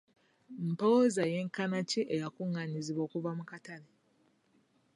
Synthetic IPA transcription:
m̩pozaje̞ːŋkanaciʔejakuŋːaɲiziβo̞ːkuvamukatale

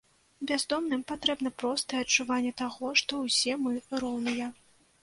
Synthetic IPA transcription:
bʲazd̪ɔmnɨmpat̪ɾɛbnɐpɾɔst̪ɐjɛɐt͡ʂːuvanʲːɛt̪aɣɔʂt̪ɔwsʲɛmɨɾɔwnɨjɐ

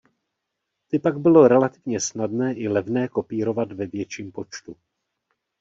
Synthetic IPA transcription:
t̪ɪpaɡbɪlo̞ɾɛlat̪ɪvɲɛsnadnɛːʔɪlɛvnɛːko̞piːɾo̞vad̪vɛvjɛt͡ʃiːmpo̞t͡ʃt̪u

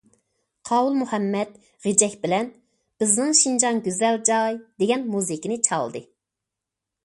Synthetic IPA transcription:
qʰɑːwulˠmuhɛmːɛt̪ | ʁed͡ʒɛkʲbɪlɛn | b̥ɪznɪŋʃind͡ʒɑnɡʲøzɛld͡ʒɑjd̪eɡʲɛnmuzɪkʲinɪt͡ʃʰɑ̰lˠd̪ɨ

